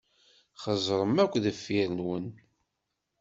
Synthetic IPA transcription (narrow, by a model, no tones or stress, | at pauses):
χəzˤɾˤəmækʷːðəfːiɾənwən